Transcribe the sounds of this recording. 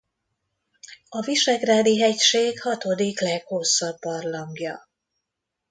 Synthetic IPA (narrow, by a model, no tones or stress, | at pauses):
ɒviʃɛɡraːd̪iɦɛcʃeːkhɒt̪od̪iklɛɡho̞sːɒbːɒrlɒŋɡjɒ̰